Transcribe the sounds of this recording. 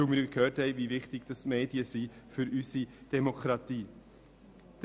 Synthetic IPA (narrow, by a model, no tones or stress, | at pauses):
umɪːɾkʰhøːɾthɛɪvivɪχtɪɡd̥ɑsmeːdiəsifʏɾysid̥ɛmokɾɑtiː | d̥